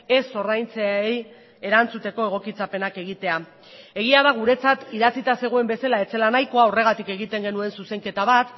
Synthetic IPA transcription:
e̞so̞rajnt͡seej | e̞ɾant͡sut̪e̞ko̞e̞ɣ̞o̞kit͡sape̞nake̞ɣit̪e̞a | e̞ɣiaðaɣ̞uɾe̞t͡sat̪iðat͡sit̪ase̞ɣ̞oe̞mbe̞salae̞t͡se̞lanajko̞aore̞ɣat̪ike̞ɣ̞it̪e̞ŋɡe̞nue̞nsuse̞ŋke̞t̪aβat̪

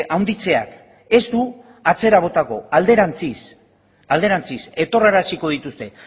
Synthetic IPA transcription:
ʔawnd̪it͡se̞a̰k | e̞st̪u | at͡se̞ɾaβ̞o̞t̪ako̞ald̪e̞ɾant͡sis | ald̪e̞ɾant͡sise̞t̪o̞raɾasiko̞ðit̪ust̪e̞

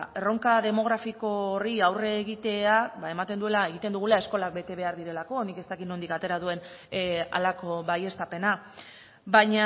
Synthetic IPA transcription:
ero̞ŋkaðe̞mo̞ɣ̞ɾafiko̞ːriawre̞ːɣit̪e̞abae̞mat̪e̞nd̪ue̞lae̞ɣit̪e̞nd̪uɣ̞ulae̞sko̞lak̚be̞t̪e̞β̞e̞aɾðiɾe̞lako̞nike̞st̪akit̪no̞nd̪ikat̪e̞ɾað̞ue̞n | a̰lako̞βaje̞st̪ape̞na | baɲa

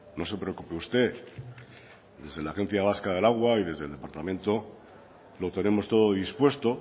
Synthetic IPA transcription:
no̞se̞pɾeo̞kupeust̪e̞ | d̪e̞zð̞e̞laxẽ̞n̟θjaβ̞askaðe̞laɣ̞waiðe̞zð̞e̞lðe̞paɾt̪amẽ̞nt̪o̞ | lo̞t̪e̞ne̞mo̞st̪o̞ð̞oðispwe̞st̪o̞

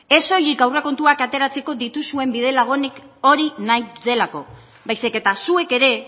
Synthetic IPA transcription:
e̞so̞jikawreko̞nt̪uakat̪e̞ɾat͡se̞ko̞ðit̪usue̞mbiðe̞laɣ̞o̞niko̞ɾinajðe̞lako̞̰ | bajsike̞t̪asue̞ke̞ɾe̞

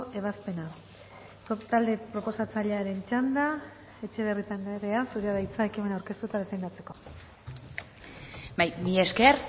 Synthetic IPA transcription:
e̞β̞aspe̞na | t̪ald̪e̞pɾo̞po̞sat͡saʎeaɾe̞nt͡ʃand̪a | e̞t͡ʃe̞βe̞rit̪anareasuɾeaðajt͡saekime̞nawɾke̞st̪uet̪að̞esend̪at͡se̞ko̞̥ | bajmieskeɾ

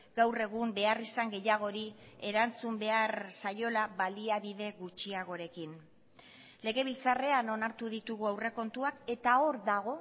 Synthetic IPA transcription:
ɡ̥awre̞ɣ̞umbe̞arisaŋɡe̞jaɣ̞o̞ɾie̞ɾant͡sumbe̞aɾsajo̞laβaliaβiðe̞ɣut͡ʃiaɣ̞o̞ɾe̞kin | le̞ɣe̞β̞ilt͡sare̞ano̞naɾt̪uðit̪uɣuawre̞ko̞nt̪uake̞t̪ao̞ɾðaɣ̞o̞

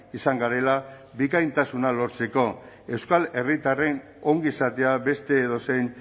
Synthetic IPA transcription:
isaŋɡaɾe̞la | bikajnt̪asunaloɾt͡se̞ko̞ | e̞wskale̞rit̪are̞n | o̞ŋɡisat̪e̞abe̞st̪e̞ːðo̞se̞jn

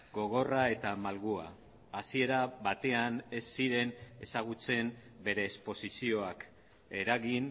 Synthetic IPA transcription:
ɡo̞ɣ̞o̞rae̞t̪amalɣua̰ː | sie̞ɾaβat̪e̞ane̞sːiɾe̞ne̞saɣut͡se̞m | be̞ɾe̞ːspo̞sisio̞ak | e̞ɾaɣin

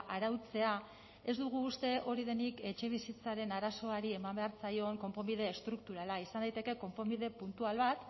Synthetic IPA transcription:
ʔaɾawt͡se̞a | e̞zd̪uɣ̞uːst̪e̞ʔo̞ɾið̞e̞nike̞t͡ʃe̞β̞isit͡saɾe̞naɾaso̞aɾie̞mambe̞aɾt͡sajo̞ŋko̞mpo̞mið̞e̞ːst̪ɾuk̚t̪uɾalaisand̪ajt̪e̞ke̞ko̞mpo̞miðe̞punt̪ualβat̪

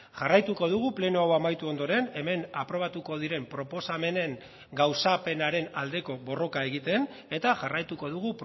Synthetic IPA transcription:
ʝarajt̪uko̞ð̞uɣ̞uple̞nuawamajt̪uo̞nd̪o̞ɾe̞ne̞me̞napɾo̞β̞at̪uko̞ð̞iɾe̞mpɾo̞po̞same̞ne̞ŋ | ɡawsape̞naɾe̞nald̪e̞ko̞βo̞ro̞kae̞ɣit̪e̞n | e̞t̪aʝarajt̪uko̞ðuɣ̞up

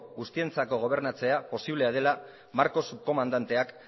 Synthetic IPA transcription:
ɣust̪ie̞nt͡sako̞ɣ̞o̞β̞e̞ɾnat͡se̞apo̞siβ̞le̞aðe̞la | maɾko̞suko̞mand̪ant̪e̞ak

